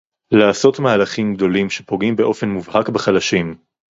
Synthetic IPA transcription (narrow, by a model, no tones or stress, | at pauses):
laːso̞tmaːlaχimɡd̪o̞limʃe̞po̞ɡimbe̞ʔo̞fe̞nmuvhakbeχalaʃim